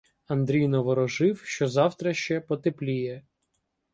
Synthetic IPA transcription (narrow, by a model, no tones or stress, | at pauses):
ɐnd̪ɾʲijnɔʋɔɾɔʒɪwʃt͡ʃɔzɑwt̪ɾɐʃt͡ʃɛpɔt̪eplʲijɛ